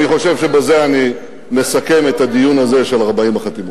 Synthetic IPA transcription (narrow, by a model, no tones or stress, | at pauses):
niχo̞ʃe̞vʃe̞baze̞ani | me̞sake̞me̞t̪ad̪ijunaze̞ʃe̞laʁbaimaχat̪im